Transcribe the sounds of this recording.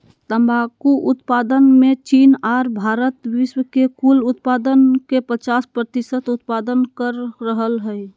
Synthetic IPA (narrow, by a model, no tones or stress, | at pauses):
t̪əmbakuʔʊt̪pad̪ənmet͡ʃinaɾbʱaːɾət̪wiʃwəkekulʊt̪̚pad̪ənkepət͡ʃaːspɾət̪isət̪ut̪̚pad̪ənkəɾːəɦəlɦəj